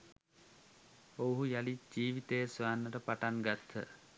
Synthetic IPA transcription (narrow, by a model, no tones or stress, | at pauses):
owɦujalid͡ʒiːʋit̪ejəsʋaːnːəʈəpaʈanɡat̪ʰə̰